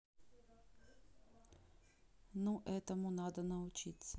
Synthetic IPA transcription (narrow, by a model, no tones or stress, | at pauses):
nuʔɛt̪ɐmunad̪ɐnɐʊt͡ʃit̪sɐ